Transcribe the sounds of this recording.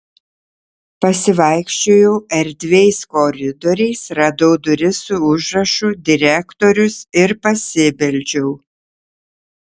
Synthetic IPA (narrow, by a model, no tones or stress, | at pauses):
pɐsʲɪʋɐɪkʃʲt͡ʃʲoːjɛʊɛɾʲd̪ʲʋʲɛɪskɔɾʲɪd̪ɔɾʲɛɪsɾɐd̪oʊd̪ʊɾʲɪsuʊʒɾɐʃuːd̪ʲɪɾʲɛkt̪oɾʲʊsɪɾpɐsʲɪbʲɛlʲd͡ʒʲɛʊ